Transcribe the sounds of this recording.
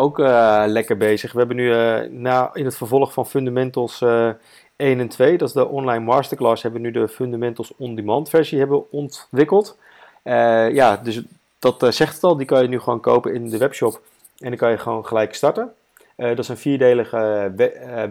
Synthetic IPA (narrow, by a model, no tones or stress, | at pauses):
owkəlɛkəɹbejzəχʋəɦɛbənynaːɪnətfəɹvɔlˠχfɑnfɵndamɛntəl̩ˠs | ejnɛntʋejdɑtzdəʔɔnlajnmɑːɹstəɹklaːsɦɛbəʋənydəfɵndamɛntəl̩ˠsɔndimɑntfɛɹziɦɛbəʋəɔntʋɪkəlˠt | əjaːdɵs | d̥ɑtsɛχtətɑlˠdikɑnjənyχəʋoːnko̰wpənɪndəʋɛpʃɔp | ɛndikɑnjəχʋownχəlɛjkstɑɹtə | ədɑtsənfiːɹdejləχə